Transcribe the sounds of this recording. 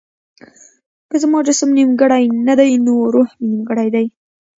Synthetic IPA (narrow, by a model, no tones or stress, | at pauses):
kəzmɑd͡ʒasmnimɡəɽajnad̪ajnoɾohmnimɡəɽajd̪aj